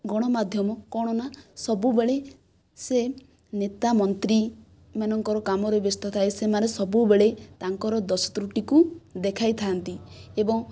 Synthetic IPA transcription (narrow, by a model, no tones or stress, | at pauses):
ɡɔɽ̃ɔmad̪ʱjɔmɔkɔɽ̃ɔnasɔbubeɭe | se | net̪amɔnt̪ɾi | manɔŋkɔɾɔkamɔɾebest̪ɔt̪ʰaesemanesɔbubeɭet̪aŋkɔɾɔd̪ɔsɔ̥t̪ɾuʈikud̪ekʰajt̪ʰant̪i | ebɔŋ